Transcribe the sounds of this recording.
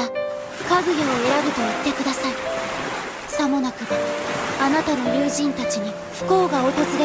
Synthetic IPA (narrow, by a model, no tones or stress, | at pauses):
a | kaɡɯ̟ɡʲoːe̞ɾaɡɯ̟t̪o̞it̪ːe̞kɯ̟d̪asai | samo̞nakɯ̟baanat̪ano̞ɾʲɯːʑĩnt̪at͡ɕiɲ̟i | ɸɯ̟̥ko̞ːɡaot̪o̞zɨd̪e